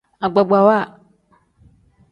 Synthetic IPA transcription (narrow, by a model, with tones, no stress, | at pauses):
a˨ɡ͡ba˨ɡ͡ba˨wa˦˨